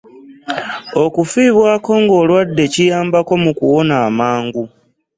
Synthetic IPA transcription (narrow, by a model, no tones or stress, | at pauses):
o̞kufiːβwaːko̞ŋɡo̞ːlwadːe̞cijaːmbako̞mukuwo̞naːmaːŋɡu